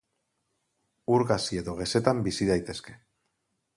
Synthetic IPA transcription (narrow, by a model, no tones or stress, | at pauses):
uɾɣasie̞ðo̞ɣ̞e̞se̞t̪ambisiðajt̪e̞ske̞̥